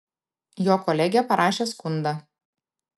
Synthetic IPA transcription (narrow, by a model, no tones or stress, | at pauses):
joːkɔlʲɛɡʲɛpɐɾʔɑːʃʲeːskʊnd̪ɑ